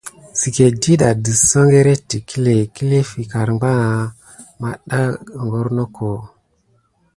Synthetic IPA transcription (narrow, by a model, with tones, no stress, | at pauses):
si˨ke˨di˦ɗa˨di˨sə˦ŋɡe˦ɾe˦tːi˨kʰi˦le˨ki˦le˦fi˨ka˨ɾŋ͡mɡ͡ba˦ŋa˨ | ma˨ɗa˦˨ŋɡo˦ɾno˦kʰo˨